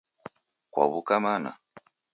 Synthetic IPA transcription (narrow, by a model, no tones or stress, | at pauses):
kwa̰βukamana̰